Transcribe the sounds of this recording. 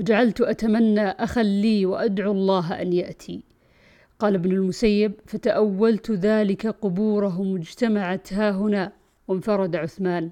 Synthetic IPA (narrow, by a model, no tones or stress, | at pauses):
d͡ʒaʕalt̪ʔat̪amanːaʔaxalːiːwɪʔad̪ʕuɑlˤːɑːɦʔa̰njaʔt̪ʰi | qɑːlɪbnʊlmʊsajːɪb̚fat̪aʔawːalt̪ðaːlɪkaqʊbuːɾaɦmʊd͡ʒt̪amaʕat̪haːɦʊnaː | wɪmfɑɾˤɑd̪aʕʊθmaːn